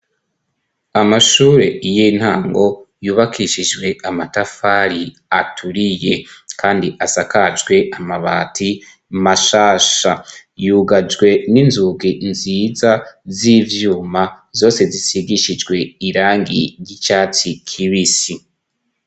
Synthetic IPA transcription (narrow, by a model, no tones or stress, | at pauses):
amaʃuːɾe̞ijin̥haːŋɡo̞juːβakʰiʃid͡ʒɡwe̞amatafaɾi | atʰuɾije̞kʰaːndiʔasakad͡ʒɡwe̞ʔamaβaːtʰi | maʃaːʃajuɡad͡ʒɡwe̞ninzuɡiʔnziːzazivjuːma | zo̞ːse̞zisiɡiʃid͡ʒɡwe̞iɾaːŋɡiɾɟit͡ʃaːt͡sikʰiβisi